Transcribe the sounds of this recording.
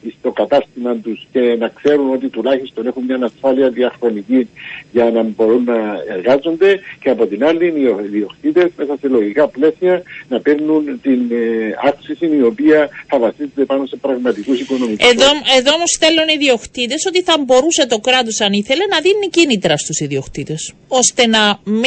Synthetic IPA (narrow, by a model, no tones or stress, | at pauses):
ist̪o̞kɐt̪ɐst̪imɐnt̪usce̞nɐkse̞ɾuno̞t̪it̪ulaçist̪o̞ne̞xumɲɐnɐsfaliɐðiɐxɾo̞nicinʝɐnɐmbo̞ɾunːɐeɾɣazo̞nd̪e̞ceɐpo̞t̪inalːinioðio̞xt̪it̪e̞zme̞sɐse̞lo̞ʝikɐple̞siɐnɐpeɾnunt̪inaksisinio̞piɐθɐvɐsized̪epano̞se̞pɾɐɣmɐt̪ikusiko̞no̞mikeoeðo̞omosθe̞lːuniðio̞xt̪it̪̬e̞so̞t̪iθɐmbo̞ɾuse̞t̪o̞kɾɐt̪̬o̞sɐniθe̞le̞nɐðinicinit̪ɾɐst̪usiðio̞xt̪it̪e̞s | o̞st̪e̞nɐmm